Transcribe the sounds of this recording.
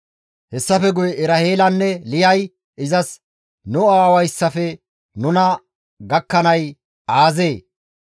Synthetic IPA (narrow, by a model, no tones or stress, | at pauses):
hɛsːɐfɛɡʊjɛʔɪɾɐheːlɐnːɛlɪjɐj | ʔɪzɐs | nʊaaːwɐjsːɐfɛ | nʊnɐ | ɡɐkːɐnɐj | ʔaːze̞ː